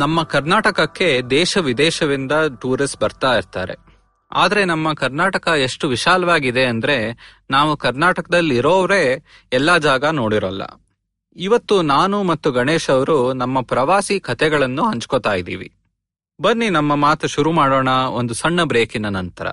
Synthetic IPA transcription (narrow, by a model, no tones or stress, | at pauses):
nɐmːɐkɐɾnaːʈɐkɐkːe̞d̪ɛːʃɐʋid̪ɛːʃɐʋind̪ɐʈuːɾisbɐɾt̪aːjiɾt̪a̰ːɾe̞̰ | a̰ːd̪ɐɾe̞nɐmːɐkɐɾnaːʈɐkɐeʂʈuʋiʃaːlɐʋaːɡid̪e̞ɐnd̪ɐɾe̞ | naːʋukɐɾnaːʈɐkɐd̪ɐlːiɾoːʋɾe̞ | ɛlːad͡ʒaːɡɐno̞ːɽiɾɐlːɐ̰ | iʋɐt̪ːunaːnumɐt̪ːuɡɐɳeːʃɐʋɐɾunɐmːɐpɾɐʋaːsikʰɐt̪ɛɡɐɭɐnːuɦɐɲt͡ʃkot̪aːjid̪ḭːʋḭ | bɐnːinɐmːɐmaːt̪ɐʃuɾumaːɽoːɳɐo̞nd̪usɐɳːɐbɾeːkinɐnɐnt̪ɐɾɐ̰